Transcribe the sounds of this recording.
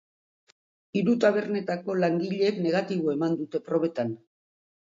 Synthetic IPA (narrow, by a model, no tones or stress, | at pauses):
iɾut̪aβ̞e̞ɾne̞t̪ako̞laŋɡiʎe̞kne̞ɣ̞at̪iβoe̞mand̪ut̪e̞pɾo̞β̞e̞t̪an